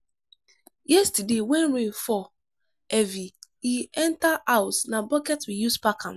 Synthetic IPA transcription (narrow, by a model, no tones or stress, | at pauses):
jɛstdewɛ̃nɹẽnfɔ | ɛvi | iɛ̃ntaʔaʊsnabɔkɛtwijuspakʰãn